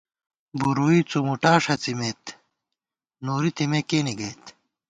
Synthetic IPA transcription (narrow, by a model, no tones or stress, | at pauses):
buɾuit͡sumuʈaːʂɐt͡simet̪ | noːɾit̪ʰimekeːniɡɐjt̪